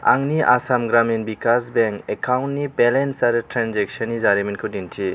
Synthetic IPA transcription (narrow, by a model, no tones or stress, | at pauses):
a̰ŋniʔasamɡɾaminbikasbɛŋkekʰawntnibelensaɾetɾanzek̚sɔnizaɾiminkʰudintʰi